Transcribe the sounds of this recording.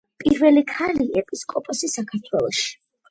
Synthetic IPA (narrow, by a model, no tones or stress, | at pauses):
pʼiɾvɛlikʰaliʔɛpʼiskʼɔpʼɔsisakʰaɾt̪ʰwɛlˠɔʃi̥